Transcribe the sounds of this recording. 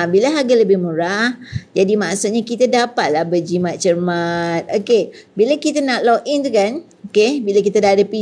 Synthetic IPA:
bilaɦaɡaləbɪhmũɾahd͡ʒadimaʔsut̪̚ɲakit̪adapat̪̚lahbəd͡ʒimãt̪̚t͡ʃərmat̪̚okebilakit̪anaʔ̪lɔʔɪŋt̪ukan | okebilakit̪adaadapi

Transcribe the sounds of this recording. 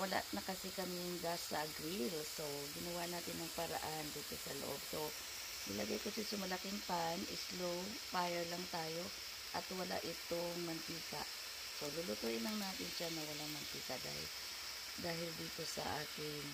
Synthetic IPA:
wɐla̰ʔnɐkɐsɛkɐmɪŋɡasɐʔɐɡɾilso̞ | ɡɪnɐwanaːt̪ɪnːɐŋpɐɾɐ̰ʔand̪iːt̪osɐlo̰ʔo̞b̚so̞ | nɪlɐɡajkosɪsɐmɐlɐkɪŋpanɪslow | paːjɛɹlɐŋt̪aːjo̞ | ʔɐt̪wɐla̰ʔɪt̪oŋmɐnt̪iːkɐ̰ʔ | solulʊt̪oʔɪlɐŋnaːt̪ɪnʃanɐwɐlaŋmɐnt̪iːkɐd̪a̰ːhɪ̰l | d̪aːɦɪld̪iːt̪o̞sɐ̰ʔaːk̪ɪn

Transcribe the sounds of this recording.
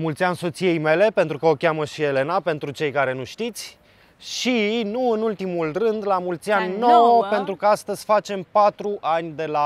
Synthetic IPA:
mult̪sianso̞t̪sije̞jme̞le̞pe̞nt̪ɾukəo̞kʲaməʃie̞le̞nape̞nt̪ɾut͡ʃe̞jkaɾe̞nuʃt̪it̪sʲ | ʃinuɨnult̪imulrɨnd̪lamult̪sianːowpe̞nt̪ɾukəast̪əz̥ʲfat͡ʃe̞mpat̪ɾuʔanʲd̪e̞la

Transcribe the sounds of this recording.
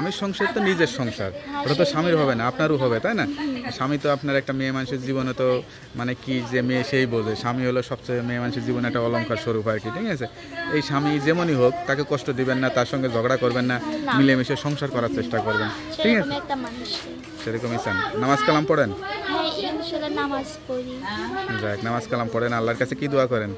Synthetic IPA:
amiʃɔŋʃat̪onid͡ʑeɾʃɔŋʃa̰ɾɔɾot̪̬oʃamiɾɦɔbenaapnaɾuɦɔbet̪ajnaʃamit̪oapnaɾɛk̚ʈamemanʃeɾd͡ʑibonet̪o | manekid͡ʑemeʃejbod͡ʑʱeʃamiɦoloʃɔb̚t͡ɕejmemanʃeɾd͡ʑibonɛk̚ʈaɔloŋkʰaɾʃoɾuɦɔekiʈʰikat͡ɕʰe | ejʃamid͡ʑemoniɦokt̪akekɔʃʈod̪ibenːat̪aɾʃɔŋɡed͡ʑʱɔɡɽakoɾbenːaamilemiʃeʃɔŋʃaɾkɔɾaɾt͡ɕeʃʈakoɾbenʃeikaɛk̚ʈamanuʃ | ʃeɾekomisʰannamazkalampɔɽenmeimiʃlenamazkoɾibaknamaskalampɔɽenalːaɾkat͡ɕʰekid̪uakɔɾen

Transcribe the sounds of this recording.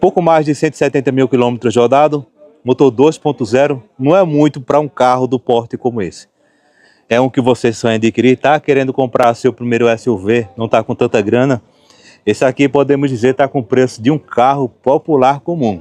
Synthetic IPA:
powkʊmajzd̪ɪsẽnɪi̥sɛt̪ẽnt̪ɐmiwkilõmet̪ɾʊzod̪ad̪ʊ | mot̪oɾd̪ojspõt̪ʊzɛɾʊnɐ̃w̃ɛmũj̃t̪ʊpɾɐũkaɦʊd̪ʊpɔɾt̪ɪkõmʊesɪ̥ | ɛũkɪvosesɐ̃j̃ɐd̪ikiɾiɾt̪akeɾẽnd̪ʊkõpɾʔaɾsewpɾimejɾʊɛsɪuvenɐ̃w̃t̪akõt̪ɐ̃t̪ɐɡɾɐ̃nɐ | esɪakipod̪ẽmʊzd͡ʒ̪izeɾt̪akõũpɾesʊd̪ɪũkʰaɦʊpopulaɾkõmũ

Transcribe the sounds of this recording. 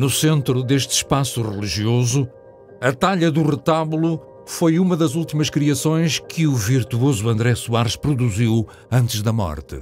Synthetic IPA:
nusẽnt̪ɾuðeʃt̪ɨ̥ʃpasuʁɨlˠiʒiozu | ɐt̪aʎɐðuʁɨt̪aβulˠu | fojumɐðɐzulˠt̪imɐʃkɾiɐsõj̃ʃkʰɨuviɾt̪uozuɐ̃nd̪ɾɛsuaɾʃpɾuðuziw | ɐ̃nt̪ɨʒðɐmɔ̰ɾt̪ɨ̰

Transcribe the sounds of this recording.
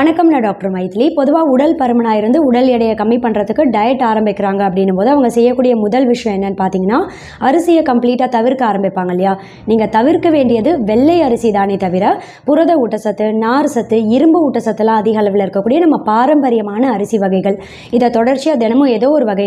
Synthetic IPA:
ɐnɐkːɐmɐnɐɖaːk̚ʈɐɾɐmɐjɪt̪ːɪlipɔðɯʋaːʊɽɐlpɐɾɐmɐnaːɪɾɯnd̪ɯʊɽɐlɛɽɐjɐkɐmːipɐɳːɾɐðɯkːɯɖɐjɛʈːaːɾɐmbɪkːɪɾaːŋɡɐɐpːɐɽɪnːɯmpoːðɯɐʋɐŋɡɐsɛjːɐkːuːɽɪjɐmʊðɐlʋɪʂɐjɐ̃mɛnːɐnːpaːɾt̪iːŋɡɐnːaː | ɐɾɯsɪjɐkɐmpliːʈːaːt̪ɐʋɪɾkːɯaːɾɐmbɪpːaːŋɡɐlːɪjaː | niːŋɡɐt̪ɐʋɪɾkːɯʋeːɳɖɪjɐðɯʋɛɭːɐjɐɾɯsiðaːneːt̪ɐʋɪɾɐ | pʊɾɐðɐuʈːɐsɐt̪ːɯnaːɾsɐt̪ːɯɪɾɯmbɯuːʈːɐsɐt̪ːɯlãːɐðɪɣɐlɐʋɪlɐɪɾɯkːɐkːuːɽɪjɐnɐmːɐpaːɾɐmbɐɾɪjɐmaːnɐːɾɯsiʋɐɣɐɪɣɐɭ | ɪðɐt̪ɔɽɐɾt͡ʃːiɐðɛnɐmɯ̃ɛðoːɔɾɯʋɐɣɐj

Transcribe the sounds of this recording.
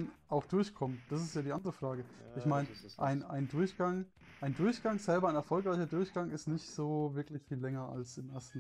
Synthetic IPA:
nʔaʊxd̥ʊɐçkʰɔməd̥asɪstjaːdiːʔandəʁəfʁ̥aːɡəʔɪçmaɪnəʔaɪnʔa̰ɪndʊɐçɡ̥aŋ | ʔaɪndʊɐçɡ̥aŋz̥ɛlbɐaɪnɛɐfɔlkʁ̥aɪçɐdʊɐçɡ̥aŋɪstnɪçtz̥oːvɪɐklɪçfiːlːɛŋɐa̰lsɪmʔeɐstn̩

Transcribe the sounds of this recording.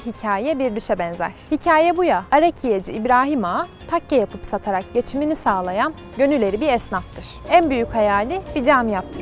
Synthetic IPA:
hicʰaːjɛbiɾd̪yʃɛbɛnzæ̰ɾ̥hicʰaːjɛbujaaɾecʰijed͡ʒiːbɾaːɦimat̪ʰakːajapʰɯpsat̪ʰaɾak̚ɟe̞t͡ʃʰiminisaːlˠajan | ɟø̞nylʲe̞ɾibiɾɛsnaft̪ʰɯɾ̥ænbyjychajaːlʲibid͡ʒamjap̚t̪ʰɯ̥

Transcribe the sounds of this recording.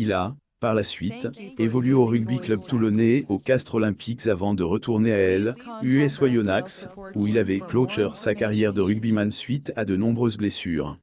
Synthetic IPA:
ila | paʁlasɥit̪evɔlyoʁyɡbiklœbt̪ulɔneokast̪χɔlɛ̃pʰiksavɑ̃d̪əʁət̪uʁneaɛlyɛswajɔnaksuilavɛklot͡ʃœʁsakaʁjɛʁd̪əʁyɡ̚bimansɥit̪ad̪ənɔ̃bʁøzblesy̰ːʁ

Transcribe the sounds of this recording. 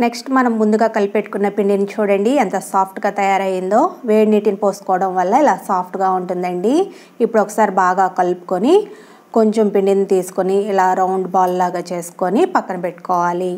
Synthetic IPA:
neksʈmɐnɐmːund̪uɡaːkɐlpeʈːu̥kunːɐpiɳɖint͡ʃuːɽɐɳɖiɐnt̪ɐsaːpʰʈɡaːt̪ɐjaːɾɐjind̪o̞ːʋeːɽniːʈinpoːsu̥kɔːʋɐɽɐmʋɐlːɐilaːsaːpʰʈɡaːuɳʈund̪ɐɳɖiː | pːuɽɔkɐ̥saːɾibaːɡaːkɐlpu̥koni | ko̞ɲt͡ʃempiɳɖinːt̪iːsu̥koniːlaːɾɐwɳɖbaːllaːɡaːt͡ʃe̞ːsu̥ko̞nipɐkːɐnɐpeʈːu̥kɔːʋaːli

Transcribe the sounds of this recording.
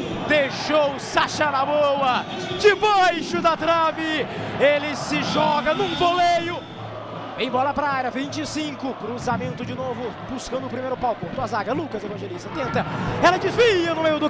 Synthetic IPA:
d̪eʃowsaʃɐnabowɐd͡ʒɪbajʃʊd̪ɐt̪ɾɐvɪelɪsɪʒɔɡɐnũvolejʊ | vẽj̃bɔlɐpɾaaɾɐvĩnt͡ʃɪsĩkʊkɾuzamẽnt̪ʊd͡ʒɪnovʊbuskɐ̃nd̪ʊpɾimejɾʊpawkõt̪oɐzaɡɐlukɐzevɐ̃ʒelist̪ɐt̪ẽnt̪ɐɛlɐd͡ʒizvijɐnʊmejʊd̪ʊ

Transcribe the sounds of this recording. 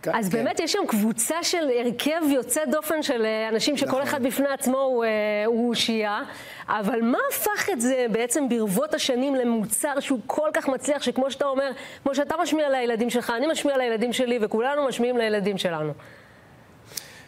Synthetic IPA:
azbe̞ːmetjeʃamkvut͡saʃe̞leʁkʰevjo̞t͡sedo̞fe̞nʃe̞lanaʃimʃeko̞leχad̪̚bifneat͡smo̞euʃija | ʔavalmaːfaχetze̞beet͡se̞mbiʁvo̞thaʃanimle̞mut͡saʁʃeukʰo̞lkaχmat͡sliaχʃekmo̞ʃeatao̞me̞ʁkmo̞ʃ̬eat̪amaʃmialajeladimʃe̞lχaːnimaʃmialajeladimʃe̞livekulanumaʃmiimlajeladimʃe̞lanu

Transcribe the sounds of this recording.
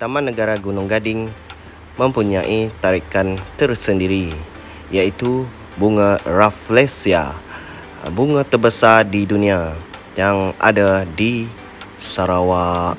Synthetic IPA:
t̪amãnːəɡaɾaɡunʊŋɡadɪŋ | mə̃mpuɲaʔit̪aɾikant̪ərsəndiɾi | jait̪u | buŋaraflesia̰ | buŋãt̪ərbəsardidunĩa | jaŋa̰dadi | saɾawa

